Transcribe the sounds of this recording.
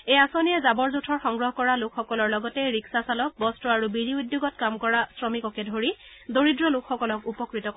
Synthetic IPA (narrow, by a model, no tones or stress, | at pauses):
ejasonijɛzabɔɹzutʰɔɹxɔŋɡɹɔɦkɔɹalokʰxɔkɔlɔɹlɔɡɔtɛɹiksasalɔk̚bɔstɔaɹubiɹiudjoɡɔt̚kamkɔɹasɹɔmikɔkɛdʱoɹi | doɹidɹɔlʊkʰxɔkɔlɔkupɔkɹitɔ